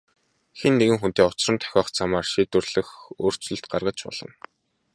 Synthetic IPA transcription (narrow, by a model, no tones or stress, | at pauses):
xenːeɣɘ̆ŋxunt̪eːʊt͡ɕrə̆nt̪ʰœ̥xʲɔːχt͡sʰamaːrʃiːt̪wɘ̆rɮ̥ɘ̆xoːr̥t͡sɵ̆ɬt̪̚ɢarʁə̆t͡ɕpɔ̰ɮ̥ɞ̆n